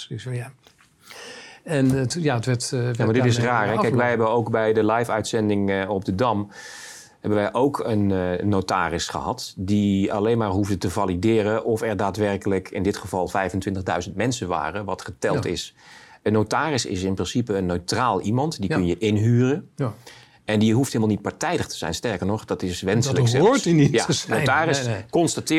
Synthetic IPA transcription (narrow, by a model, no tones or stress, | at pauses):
ɛnjaətʋɛtjamadɪtɪsraːrɛkkɛjkʋɛjɦɛbənowkbɛjdəlɛjfœɥtsɛndɪŋɔb̚dədɑm | hɛbənʋɛjʔowkʰənːowta̰ːrɪsχə̰ɦɑtdiɑ̰lejnmaːɹɦuvdətəvalidɪːɾəʔɔfɛɹdaːtʋɛrkələkɪ̰ndɪtχəvɑlˠfɛjvəntʋɪntəχdœ̰ɥzəntmɛnsənʋa̰ːrəʋɑtχətɛlˠtɪ̰sənːowtaːrɪsɪ̰sɪnprɪnsipəːnːøɥtraːlˠimɑntdikɵnjəʔɪnɦyːrə | ɛndiɦufteɪlˠmɑlˠnit̚paɹtɛjdəχtə̥z̥ɛ̰jnstɛɹkəɹnɔχd̥ɑtɪsʋɛnsələɛːinijanowtaːrɪskɔnstatɪː